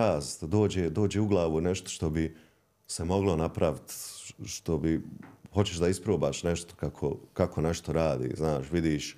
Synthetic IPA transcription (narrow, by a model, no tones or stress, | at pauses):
aːst̪d̪oːd͡ʑeːd̪o̞ːd͡ʑeːuɡlˠaːʋuneʃt̪o̥ʃt̪o̞bi | semo̞ɡlonapɾaʋit̪ʃt̪o̞biho̞t͡ɕe̞ʃd̪aispɾoːbaːʃneʃt̪o̥kakʰo̰kako̞ne̞ʃt̪o̞ɾaːd̪ḭːznaːʃʋid̪iːʃ